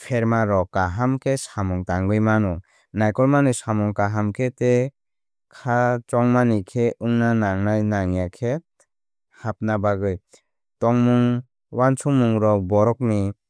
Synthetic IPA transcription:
pʰeɾmaɾɔkaɦamkʰesamɔŋtaŋɡɯjmanɔ | najkɔlmanɯsamɔŋkaɦamkʰete | kʰat͡ʃɔŋmanikʰeɯŋnanaŋnajnaŋjakʰet̚ | hap̚nabaɡɯj | tɔŋmuŋ | want͡ʃʰumuŋɾɔbɔɾɔk̚ni

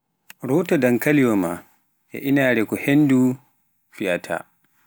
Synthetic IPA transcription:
ɾɔwtadaŋkalijɔma̰ | ʔɛ̰ʔinaːɾɛkɔhenːdu | fiatʰa̰

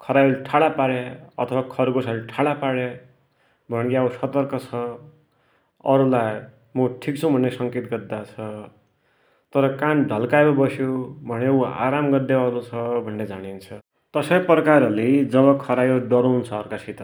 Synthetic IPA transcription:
kʰʌɾajolʈʰaɽapaɽeʌ̰t̪ʰʌwakʰʌɾɡosaliʈʰaɽapaɽe | bʱʌnkjausʌt̪ʌrkʌt͡sʰʌ | ʌ̰ɾulaj | muʈʰikt͡sʰʌ̃bʱʌnːesʌŋket̪ɡʌd̪at͡sʰʌ | t̪ʌɾʌkanɖʱʌlkajbʌbʌsjobʱʌneua̰ɾamɡʌd̪eʌɾut͡sʰʌbʱʌnːed͡zaɽint͡sʰʌ | t̪ʌsʌjprʌkaɾʌled͡zʌbʌkʰʌɾajoɖʌɾunt͡sʰʌːrkasit̪ʌ

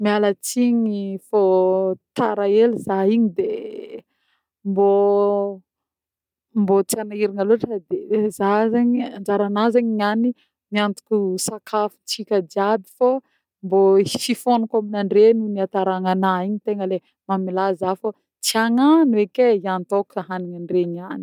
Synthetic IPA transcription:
mialət͡siɲifot̪aɾaelizaiɲid̪e | mbo | mbot͡sianaiɾinaloaʈ͡ʂəd̪ezazaɲiand͡ʒaɾanazaɲiɲani | miant̪u̥kʲusakʰafu̥t͡sikʲəd͡ʒiabi̥fo | mbofifonukaminaɳɖ͡ʐenuniat̪aɾaŋanaiɲit̪eŋəle | mamilazafo | t͡siaŋanekʲeiant̪okaɦaniɲaɳɖ͡ʐeɲiani̥

